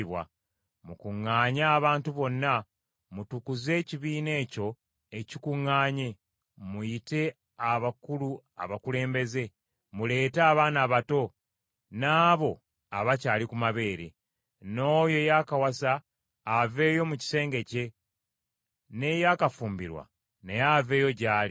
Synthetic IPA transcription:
βwa̰ | mukuŋːaːɲaːβaːntuβo̞nːa | mutukuze̞ːciβiːne̞ːco̞ | e̞cikuŋːaːɲe̞ | mujite̞ | aβakulua̰βakule̞ːmbe̞ze̞ | mule̞ːtaːβaːnaːβato̞ | naːβo̞ | a̰βacaːlikumaβe̞ːɾe̞̰ | no̞ːjo̞jakawasaː | ve̞ːjo̞muci̥se̞ːŋɡe̞ce̞ | ne̞jaːkafuːmbiɾwa̰ | nejaːve̞ːjo̞ɟaːli

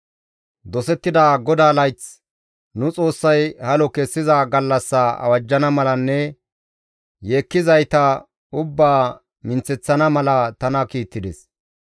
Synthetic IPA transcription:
d̪ɔsɛt̪ːɪd̪aːɡɔd̪aːlɐjt͡s | nʊt͡sʼo̞ːsːɐjhɐlɔkɛsːɪzaɡɐlːɐsːɐɐ̰wɐd͡ʒːɐnɐmɐlɐnːɛ | jeːkːɪzɐjt̪ɐ | ʊbːaː | mɪnt͡sɛt͡sːɐnɐmɐlɐt̪ɐnɐkiːt̪ːɪd̪ɛs

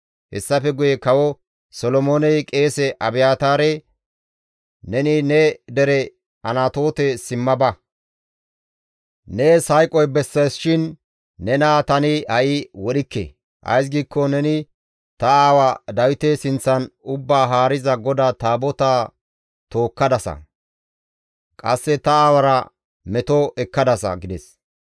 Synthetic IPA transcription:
hɛ̰sːɐfɛɡʊjɛkɐwɔ | sɔlɔmoːnɛjkʼe̞ːsɛʔɐbɪjaːt̪aːɾɛ | nɛnɪnɛd̪ɛɾɛ | ɐnat̪o̞ːt̪ɛsɪmːɐbɐ | nɛsɐjkʼɔjbɛsːɐjsʃɪnː | ɛnaːt̪ɐnɪhɐʔɪwɔɗɪkːḛ | ʔɐ̰js̬ɡiːkːɔnɛnɪ | t̪ɐaːwɐd̪ɐwɪt̪esɪnt͡sːɐnʊbːaːɦaːɾɪzɐɡɔd̪at̪aːbɔt̪aː | t̪oːkːɐd̪ɐsɐ̰ | kʼɐ̰sːɛt̪ɐaːwɐɾɐ | mɛt̪ɔʔɛkːɐd̪ɐsɐ̰ɡɪd̪ɛs

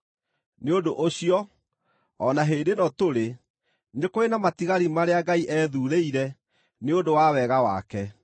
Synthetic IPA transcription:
neondoʔoɕiɔ | ɔnaɦeːndenɔtoɾe | nekoenamatiɣaɾimaɾeaɡaiʔɛðuːɾeiɾɛ | neondowawɛɣawa̰kɛ

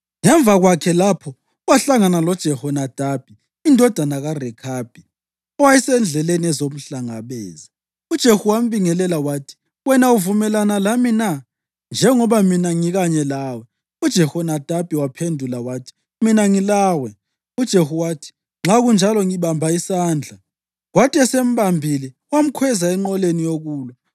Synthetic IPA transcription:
ŋɛɱvʱaɣwakʰɛlapʰɔ | waɬaŋanalɔd̥ʒ̥ʱɛhɔnad̥ʱab̥̚ʱiː | ndʱɔd̥ʱanaɣarɛkʰab̥ʱi | ɔwajisɛnd͡ɮʱɛleniɛzom̩ɬaŋaβɛ̰ːza | ud̥ʒ̥ʱehuwam̩βiŋɛlɛlawaːtʰi̥ | wɛnauvumɛlanalamina | nd͡ʒʱɛŋɔβaminaŋiɣaɲɛlaːwɛ | ud̥ʒ̥ʱɛhɔnad̥ʱab̥ʱiwapʰendʱulawaːtʰi̥ | minaŋilaːwɛ | ud̥ʒ̥ʱehuwatʰi̥ | ŋ͡ǁaɣund͡ʒʱalɔŋiβambʱaisaːnd͡ɮʱa | ɣwatʼiɛsem̩βambʱili | wam̩kʰwɛzaɛŋ͡ǃɔlenijoɣuːlɔ

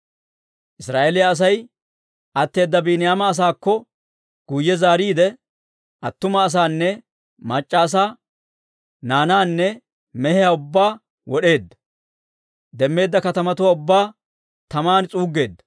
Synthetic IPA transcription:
ʔɪsɾaːʔelɪjaːs̬ɐj | ʔɐt̪ːe̞ːd̪ːɐbiːnɪjaːmɐːs̬aːkːɔ | ɡ̥ujːɛzaːɾiːd̪ɛ | ʔɐt̪ːʊmɐːs̬aːnːɛ | mɐt͡ʃʼːaːs̬aː | naːnaːnːɛ | mɛhɛjaʊbːaː | wɔɗe̞ːd̪ːɐ̥ | d̪ɛmːe̞ːd̪ːɐkɐt̪ɐmɐt̪ʊwaʊbːaː | t̪ɐmaːnt͡sʼuːɡːe̞ːd̪ːɐ̥

